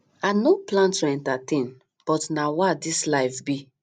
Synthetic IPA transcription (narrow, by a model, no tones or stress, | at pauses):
anoplãntuɛ̃ntatẽn | b̥ɔtnawadislaɪfbi